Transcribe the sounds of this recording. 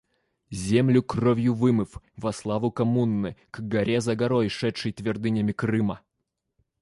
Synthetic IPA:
zʲemlʲʊkrovʲjʊvɨmɨf | vɐslˠavʊkɐmunːɨɡ̥ɡɐɾʲʔezɐɡɐɾojʂɛt̪ʂɨjt̪vʲɪrd̪ɨnʲəmʲɪkɾɨmə

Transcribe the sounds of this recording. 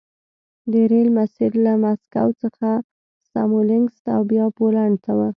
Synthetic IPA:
d̪əɾelmasɪd̪lamaska̰wt͡səxa | sa̰molɪŋɡst̪a̰wbjɑbolaɳt̪awə

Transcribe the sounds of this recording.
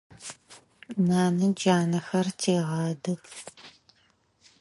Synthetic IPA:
naːnɨd͡ʒaːnɐxɐrtʰeːʁɑːdɨx

